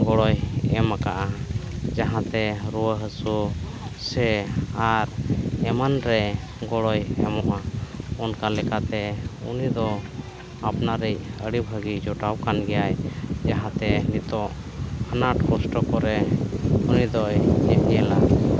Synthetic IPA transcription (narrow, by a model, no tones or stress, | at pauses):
ɡɔɽɔjɛmakaʔad͡ʒaɦãt̪ɛɾuwəɦəsu | sɛaɾɛmanɾɛ | ɡɔɽɔjɛmɔʔaɔnkalɛkat̪ɛṵnid̪ɔ | apnaɾic̚əɽibʱəɡid͡ʒɔʈawkanɡɛjajd͡ʒaɦãt̪ɛnit̪ɔʔ | ənaʈkɔsʈɔkɔɾɛ | unid̪ɔjɛʔjɛla